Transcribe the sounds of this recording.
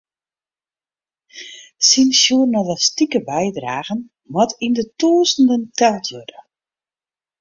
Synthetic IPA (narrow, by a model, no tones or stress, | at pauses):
sinsjuːnɔdəstikəbɛjdraːɣən | mɔtʰindətuəzəndəntɛtʰjødə